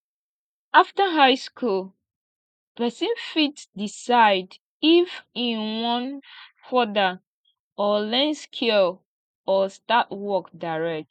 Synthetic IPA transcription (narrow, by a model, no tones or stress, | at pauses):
aftaɦaɪskʰul | pɛsĩnfitdisaɪd | ifĩnwɔ̃nfɔda | ɔlɛ̃nskʰil | ɔstatwɔkdaɪɹɛk̚t